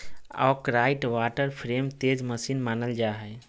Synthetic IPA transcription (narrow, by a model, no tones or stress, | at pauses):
ɔ̰ːkɾaiʈʋaʈəɾpʰɾemt̪ed͡ʒməsinmanəld͡ʒaɦɛ